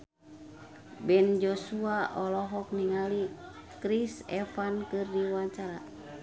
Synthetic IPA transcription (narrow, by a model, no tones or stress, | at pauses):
bɛnd͡ʒɔsuaʔɔlɔɦɔk̚niŋali | kɾisɛfankɨrdiwaɲt͡ʃaɾa